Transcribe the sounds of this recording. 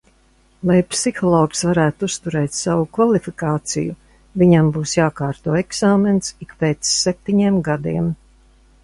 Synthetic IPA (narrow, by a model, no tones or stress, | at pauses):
lˠajpsixɔlˠɔːksvaɾæːt̪ust̪uɾɛːt̪ʲsavukvalifikaːt̪sḭjṵ | viɲambuːsjaːkaːɾt̪uɔːɛksaːmensikpeːt̪sːep̚t̪iɲiːmɡad̪ḭɛm